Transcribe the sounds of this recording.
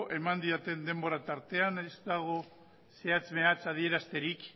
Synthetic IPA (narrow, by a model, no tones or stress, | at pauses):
ʔe̞mand̪iat̪e̞nd̪e̞mboɾat̪aɾt̪e̞anezt̪aɣ̞o̞ | se̞at͡sme̞at͡sað̞ie̞ɾast̪e̞ɾik